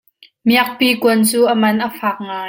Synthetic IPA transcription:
miɐk̚piːkuənt͡suːʔəmɐnʔəfaːk̚ŋaː

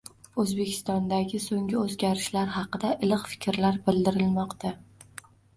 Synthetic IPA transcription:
ɵzbe̞kʲʰɪ̥st̪ɒnd̪aɡʲɪsoŋʲɪɵzɡʲaɾɪʃlaɾɦɑqɨd̪aʔɪlɪqfɪ̥kʲɾlaɾbɪld̪ɪɾɪlmɒqt̪ʰa

